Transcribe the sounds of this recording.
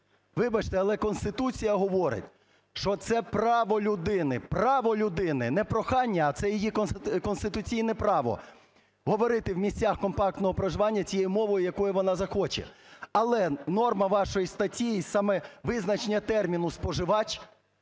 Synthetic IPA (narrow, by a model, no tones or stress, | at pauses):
ʋɪbɐt͡ʃt̪ɛɐlˠɛkɔnst̪ɪt̪ut͡sʲijɐɦɔʋɔɾɪ̰tʲ | ʃt͡ʃɔt̪sɛpɾɑʋɔlʲʊd̪ɪnɪprɑʋɔlʲʊd̪ɪnɪnɛpɾɔxɑnʲːɐːt̪sɛjijikɔkɔnst̪ɪt̪ʊt͡sʲijnɛpɾɑʋɔ̰ | ɦɔʋɔɾɪt̪ɪwmʲisʲt͡sʲaxkɔmpɑk̚t̪nɔɦɔpɾɐʒɪʋɑnʲːɐt͡sʲijɛjʊmɔʋɔjʊjɐkɔjʊʋɔnɑzɐxɔt͡ʃḛɐlˠɛnɔrmɐʋɑʃɔjist̪ɐtʲijisɑmɛʋɪznɐt͡ʃenʲɐt̪ɛrmʲinʊspɔʒɪʋɑt͡ʃ